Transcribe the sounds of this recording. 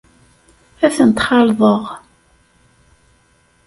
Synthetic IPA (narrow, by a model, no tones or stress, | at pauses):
æθənt̪χɑlðˤəʁ